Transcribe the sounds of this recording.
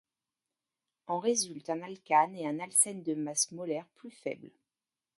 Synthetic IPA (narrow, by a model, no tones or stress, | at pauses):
ɑ̃ʁezylt̪ɛ̃nalkʲaneɛ̃nalsɛnd̪əmasmɔlɛʁplyfɛ̰bl